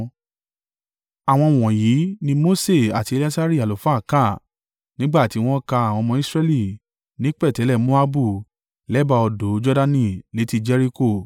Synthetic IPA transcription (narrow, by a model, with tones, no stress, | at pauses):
a˨w̃ɔ̃˧w̃ɔ̃˨ji˨˦nĩ˧mo˦se˦˨a˨ti˨˧e˧la˦sa˦ɾi˦˨a˨lo˨fa˦˨ka˦˨ | nĩ˦ɡ͡ba˦˨ti˨˦w̃ɔ̃˦ka˧a˨w̃ɔ̃˧mɔ̃˧i˦sɾɛ˧li˦˨ | nĩ˨˦k͡pɛ˦˨tɛ˨˦lɛ˦˨mo˦a˦bu˦˨ | lɛ˨˦ba˧ɔ˧do˨˦d͡ʒɔ˦da˧nĩ˦˨le˨˦ti˧d͡ʒɛ˦ɾi˦ko˦˨